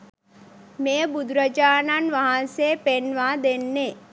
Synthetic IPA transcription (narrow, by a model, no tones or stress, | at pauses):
mejəbud̪ɾəd͡ʒaːnanʋaɦansepenʋaːd̪enːe